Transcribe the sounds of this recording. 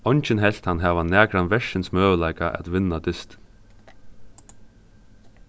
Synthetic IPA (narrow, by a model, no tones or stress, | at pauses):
ɔjnt͡ʃɪnɦɛl̥t̪hanɦɛːʋanːæːkɾanʋɛʂɪnsmœːʋəlajkaʔɛ̰t̪ʋɪnːad̪ɪst̪